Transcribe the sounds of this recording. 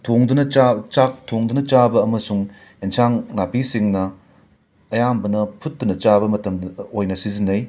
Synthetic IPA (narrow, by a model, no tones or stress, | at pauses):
tʰoŋdunɐt͡ʃat͡ʃak̚tʰoŋdunɐt͡ʃabɐːmɐsuŋ | ensaŋnapisiŋnɐ | ɐjambɐnɐpʰut̚dunɐt͡ʃabɐmɐtɐmojnɐsizinːɐj